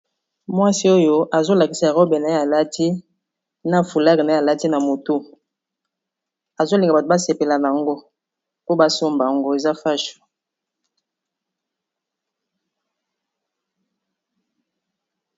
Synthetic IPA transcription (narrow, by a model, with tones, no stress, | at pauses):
mwa˦si˦o˦jo˦ʔa˨zo˦la˨ki˨sa˨ʁɔ˦be˨na˨e˦a˨la˦tʰi˦ | na˦fu˨la˦ki˨na˨˦a˨la˦ti˦na˨mo˨to˦ | a˨zo˦li˨ŋɡa˨ba˨to˨ba˦se˨pe˨la˨na˨a˨ŋɡo˦ | po˦ba˦so˦mba˨ŋɡo˦e˨za˦fa˦ʃu̥˨